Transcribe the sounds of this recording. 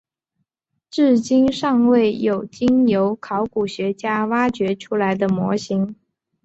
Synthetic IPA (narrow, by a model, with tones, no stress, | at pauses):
ʈ͡ʂɻ̩˥˩t͡ɕi˥nʂɑ˥˧ŋwe˥˩ɪjo˨˩ʊt͡ɕi˥ŋjo˧˥ʊkʰɑ˧˥ʊku˨˩ɕɥɛ˧˥t͡ɕja˥wa˥t͡ɕɥɛ˧˥ʈ͡ʂʰu˥la˧˥ɪd̪ə˧mwɔ̰˧˥ɕi˧˥ŋ